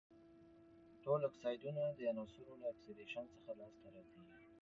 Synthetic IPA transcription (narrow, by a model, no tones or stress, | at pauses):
ʈolaksɑjd̪unad̪əanɑsuɾolaːkseɾeʃant͡səxalɑst̪aɾɑt̪ai